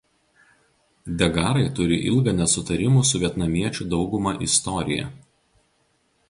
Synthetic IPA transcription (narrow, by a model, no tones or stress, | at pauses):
d̪ʲɛɡɑːɾɐɪt̪ʊɾʲɪʔɪ̰lˠɡɐnʲɛsʊt̪ɐɾʲɪmuːˑsʊʋʲiɛt̪nɐmʲiɛt͡ʃʲud̪ɒʊɡʊmɑːʔɪst̪ɔɾʲɪ̰jɛ̰